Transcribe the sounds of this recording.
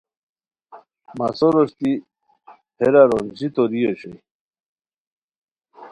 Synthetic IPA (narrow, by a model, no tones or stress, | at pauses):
masoɾoɕt̪i | pʰeɾaɾond͡ʑit̪oɾijoɕej